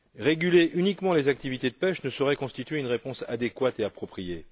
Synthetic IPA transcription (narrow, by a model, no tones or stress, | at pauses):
ʁeɡʲyleʔynikmɑ̃lezak̚t̪ivit̪ed̪əpɛʃnəsɔʁɛkɔ̃st̪it̪ɥeynʁepɔ̃sad̪ekwat̪eapχɔpχije